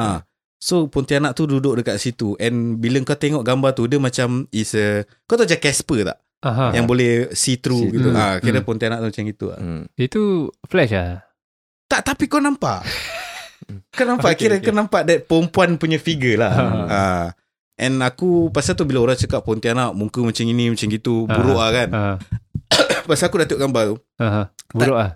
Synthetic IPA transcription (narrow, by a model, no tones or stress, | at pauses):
a | sopɔnt̪ianaʔt̪ududʊʔ̚dəkaʔ̪sit̪uʔɛnbiləŋkat̪eŋɔʔɡambat̪udəmat͡ʃamisə | kat̪aʔd͡ʒakɛspət̪a̰ʔ | ajaŋbolɛhsit̪ɾuɡit̪uʔakiɾəpɔnt̪ianaʔ̚t̪umat͡ʃamɡit̪ṵa̰it̪uflɛʃla | t̪aʔt̪apikanampa̰ʔ | kanampaʔkiɾəkanampaʔdɛt̪̚pəɾəmpuanpuɲãfiɡəlaa | ʔɛnakupasat̪ubilaoɾaŋt͡ʃəkaʔpːɔnt̪ianaʔmuŋkumat͡ʃaŋinĩmat͡ʃaŋɡit̪ubuɾoʔahkan | pasaakudat̪oʔkambat̪u | aɦbuɾoʔa